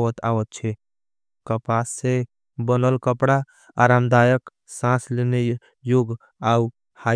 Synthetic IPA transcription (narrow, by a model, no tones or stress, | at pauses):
ət̪ʰa̰wət̪̚t͡ʃʰɛ | kəpasːe | bənəlkəpɽaː | ɾamd̪ajək | sãslene | joɡ | au | ha